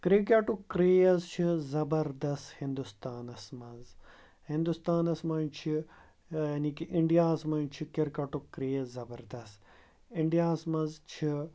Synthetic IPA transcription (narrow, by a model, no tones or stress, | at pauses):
kɾik̬ʲaʈukɾiɐzt͡ʃʰizɐbɐɾd̪ɐst̪hĩnd̪ust̪aːnɐsmɐnz | hĩnd̪ust̪aːnɐsmɐnt͡ʃʰi | jaːniːkiʔiɳɖijaːsmɐnt͡ʃʰikeɾkɐʈukɾiːzɐbɐɾd̪ɐst̪ | iɳɖijaːsmɐnzt͡ʃʰi